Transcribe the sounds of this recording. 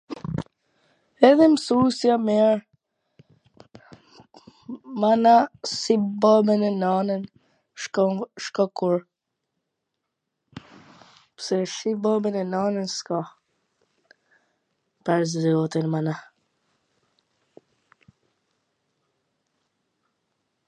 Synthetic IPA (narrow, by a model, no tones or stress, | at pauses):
ɛðɛmsusjamɛɾ | manasibɔbɛnɛnanən | ʃkɔkuɾ | psɛʃibɔbɛnɛnanənskɔ | paɾziɔt̪inmana